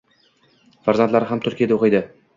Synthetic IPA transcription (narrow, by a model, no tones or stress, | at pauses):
faɾzant̪laɾɪɦamt̪ʰʊɾkʲijad̪aoqɨjd̪ɪ